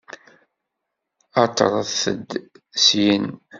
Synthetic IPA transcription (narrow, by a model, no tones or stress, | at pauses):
ɑt̪ːə̰ɾˤθə̰d̪ | sjən